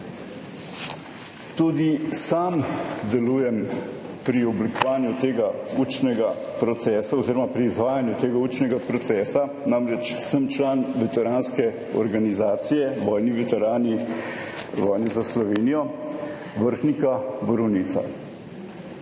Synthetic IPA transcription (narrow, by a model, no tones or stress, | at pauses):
t̪uːd̪isamd̪ɛluːjɛm | pɾiɔblikɔʋaːnjut̪eːɡaut͡ʃnɛɡa | pɾɔt̪sɛːsaoziːɾɔmapɾiːzʋaːjanjut̪eːɡauːt͡ʃnɛɡapɾɔt̪sɛːsa | namɾɛt͡ʃsəmt͡ʃlaːnʋɛt̪ɛɾaːnskɛ | ɔ̰ɾɡanizaːt̪sijɛʋɔːjniʋɛt̪ɛɾaːni | ʋɔːjnɛzaslɔʋeːnijɔ | ʋəɾxnikabɔɾɔwnit̪sa̰